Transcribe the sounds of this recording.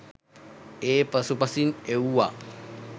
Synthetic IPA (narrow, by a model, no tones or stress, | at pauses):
epəsupasineuwa